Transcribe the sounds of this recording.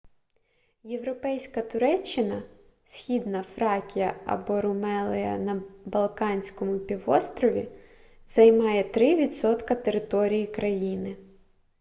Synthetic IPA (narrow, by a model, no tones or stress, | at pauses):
jeʋɾɔpɛjsʲkɐt̪ʊɾɛt͡ʃːɪnɐ | sʲxʲid̪nɐfɾɑkʲijɐ̰ɐ̰bɔɾʊmɛlˠɪjɐ̰nɐbɐlˠkɑnʲsʲkɔmʊpʲiʋɔst̪ɾɔʋʲi | z̥ɐjmɑjɛt̪ɾɪʋʲid̪sɔt̪kɐt̪eɾɪt̪ɔɾʲijikɾɐjinɪ